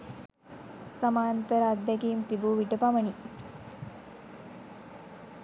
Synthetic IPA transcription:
samaːnt̪əɾaːd̪ːɛkiːmt̪ibuʋiʈəpaməni

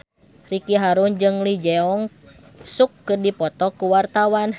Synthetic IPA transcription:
rikiɦaɾund͡ʒɨŋlid͡ʒɛɔŋ | sukːɨrdipɔt̪ɔkuwart̪awan

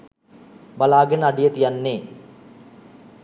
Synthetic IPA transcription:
balaːɡənəaɖijət̪ijanːeː

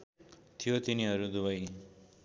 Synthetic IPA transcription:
t̪ʰijot̪iniɦʌɾud̪uβʌj

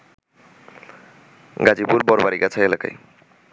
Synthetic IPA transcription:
ɡad͡ʑipuɾbɔɾbaɾiɡat͡ɕʰaelaka̰j

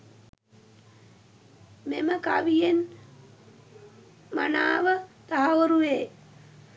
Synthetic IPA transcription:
meməkaʋijen | ma̰naːʋət̪aɦaʋoɾuʋeː

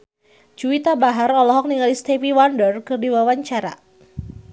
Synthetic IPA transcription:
d͡ʒuit̪abaɦaɾɔlɔɦɔk̚niŋalist̪eviwandərkɨrdiwawaɲt͡ʃaɾa̰

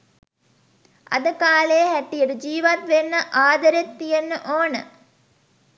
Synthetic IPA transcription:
ʔɐ̰d̪ɐkaːleːhɛʈːijɐɽud͡ʒiːʋɐt̪ʋenːɐʔaːd̪ɐɾet̪ːijenːɨʔoːnɐ

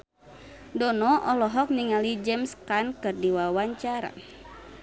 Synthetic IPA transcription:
dɔnɔʔɔlɔɦɔk̚niŋalid͡ʒɛmskankɨrdiwawaɲt͡ʃaɾa̰

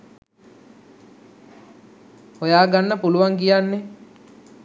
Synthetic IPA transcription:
ojaːɡanːəpuluʋaŋkijanːe

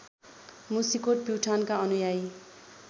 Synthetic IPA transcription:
musikoʈ̚piwʈʰankaʌnujaj

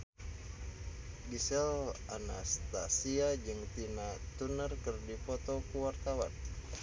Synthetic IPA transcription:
ɡisɛlana̰st̪asiad͡ʒɨŋt̪inat̪unərkɨrdipɔt̪ɔkuwart̪awa̰n

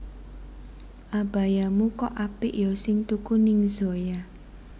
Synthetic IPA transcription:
ʔab̥a̤jamukɔʔapɪ̰ʔjɔsɪŋt̪ukunɪŋzoja

